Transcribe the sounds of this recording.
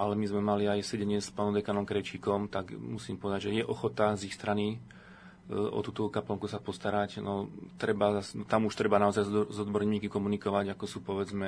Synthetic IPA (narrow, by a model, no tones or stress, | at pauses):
ʔalɛmizmɛmaliajsɛɟɛɲɪɛspaːnɔ̃md̪ɛkanɔmkɾɛt͡ʃiːkɔmt̪aɡmusiːmpɔʋɛd̪aɟʒɛjɛʔɔxɔt̪azixst̪ɾani | ɔ̰t̪uːt̪ɔkaplɔŋkusapɔst̪aɾacnɔt̪ɾɛbaasnt̪amuʃt̪ɾɛbanaɔzajzzɔd̪bɔɾɲiːkikɔmunikɔʋaɟakɔsuːpɔʋɛd͡zmɛ